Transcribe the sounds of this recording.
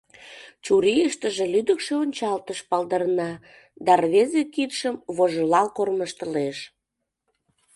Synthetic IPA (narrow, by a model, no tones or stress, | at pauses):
t͡ɕuɾijəʃt̪əʒĕlyd̪əkʃeonʲt͡ɕɑlt̪əʃpɑld̪əɾnɑ | d̪ɑrβezekit̪ʃəmβoʒolɑlkorməʃt̪əleʃ